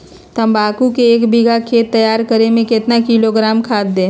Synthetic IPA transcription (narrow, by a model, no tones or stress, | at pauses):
t̪əmbaːkukeeːkbiɡʱakʰeːt̪ːəjaːɾkəɾemẽkɪt̪nakiloɡɾaːmkʰaːt̪̚d̪ẽː